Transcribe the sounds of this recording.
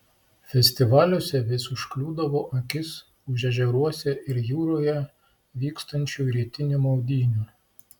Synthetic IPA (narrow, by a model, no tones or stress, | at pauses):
fʲɛsʲt̪ʲɪʋɑːlʲʊsʲɛʋʲɪsʊʃklʲuːd̪ɐʋoːʔɐkʲɪs | ʊʒʲɛʒʲɛɾuɔsʲɛʔɪɾjuːɾoːjɛ | ʋʲiːkst̪ɐnʲt͡ʃʲuːɾʲiɛt̪ʲɪnʲumɔʊd̪ʲiːnʲuː